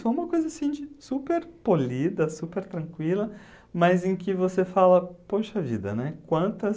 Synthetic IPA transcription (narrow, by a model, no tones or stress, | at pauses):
soũmɐkojzɐsĩd͡ʒɪsupeɾpolid̪ɐsupeɾt̪ɾɐ̃ŋkwilɐ | mɐzẽkɪvosefalɐpoʃɐvid̪ɐ̰nɛkwɐ̃nt̪ɐs